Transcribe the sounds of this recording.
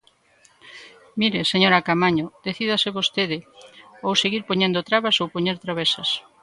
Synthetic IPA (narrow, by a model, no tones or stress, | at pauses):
miɾeseɲoɾakamaɲod̪̥eθiðaseβost̪eðɪowseɣiɾpoɲẽnd̪ot̪ɾaβasowpoɲeɾt̪ɾaβesɐs